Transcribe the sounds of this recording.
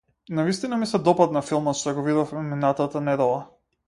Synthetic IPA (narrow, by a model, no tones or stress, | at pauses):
navist̪inamisɛd̪ɔpat̪̚nafilˠmɔt̪ʃt̪ɔɡɔvid̪ɔfmɛminat̪at̪anɛd̪ɛlˠa